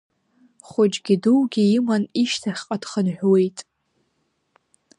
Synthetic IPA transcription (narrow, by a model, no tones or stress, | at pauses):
χʷʊd͡ʒɡʲiduwɡʲiimaniʃtʰaχʲqʼad̥χənħᶣʷwejtʼ